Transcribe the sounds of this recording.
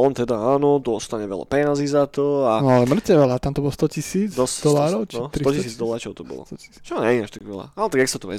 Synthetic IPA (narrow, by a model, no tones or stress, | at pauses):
ɔnt̪ɛd̪aaːnɔd̪ɔst̪aɲɛʋɛ̰la̰pɛɲazizat̪ɔanɔalɛmr̩t̪ɛʋɛlat̪amt̪ɔbɔlɔst̪ɔcisiːd͡zd̪ɔsd̪ɔlaːɾɔʊt͡ʃnt̪ɾit̪ɔcisiːd͡zd̪ɔlaːɾt͡ʃɔʊt̪ɔbɔ̰lɔ̰t̪ɔi̥t͡ʃɔɲɛinaʃt̪akʋɛla̰anɔt̪aɡaksat̪ɔʋɛ̰